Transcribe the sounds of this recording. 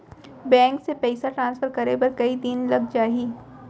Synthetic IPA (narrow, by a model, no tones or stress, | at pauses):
bɛ̃ːŋksepɛɪsaʈɾãːnsfəɾkɐɾebɐɾkɐid̪inlɐɡ̚d͡ʒaːiː